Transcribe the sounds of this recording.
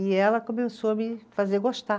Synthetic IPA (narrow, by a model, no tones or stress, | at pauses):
ɪɛlɐkõmesoɐmɪfazeɡoʃt̪a